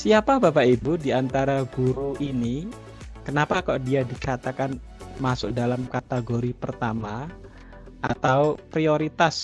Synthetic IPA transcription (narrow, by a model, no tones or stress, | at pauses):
siapabapaʔibudiant̪aɾaɡuɾuʔini | kənapakaʔdiadikat̪akan | masʊkdalamkat̪eɡoɾipərt̪ama | ʔa̰t̪awpɾioɾit̪as